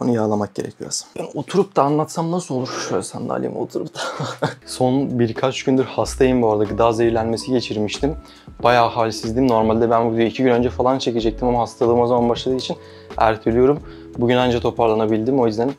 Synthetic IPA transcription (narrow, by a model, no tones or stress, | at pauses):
onujaːlˠamak̚ɟe̞ɾɛ̰cʰijo̰sḁnbano̞t̪ʰuɾup̚d̪aːnlˠat̪samnasɯolˠuɾʃøjlʲɛsa̰nd̪a̰ːlʲḭm̰o̞̰t̪ʰuɾṵpt̪ʰḁso̞nbiɾkʰat͡ʃɟynd̪yɾhast̪ʰajimbuaɾad̪acid̪aːzejiɾlʲænme̞siɟe̞t͡ʃʰiɾmiʃt̪ʰim | bajaːhaːlʲisizd̪imno̞ɾmalʲd̪ɛbænbud̪yjicʰiɟynø̞nd͡ʒɛfalˠant͡ʃʰe̞cid͡ʒɛc̚t̪ʰimamaɦast̪ʰalˠɯːmozamanbaʃlˠad̪ɯːit͡ʃʰin | æ̰ɾt̪ʰilʲijo̞ɾum | buɟynand͡ʒat̪ʰo̞pʰaɾlˠanabilʲd̪imo̞jyzd̪æn